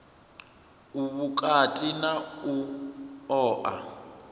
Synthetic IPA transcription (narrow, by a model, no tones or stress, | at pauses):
uβukʼatʼinau | ɔːʔa̰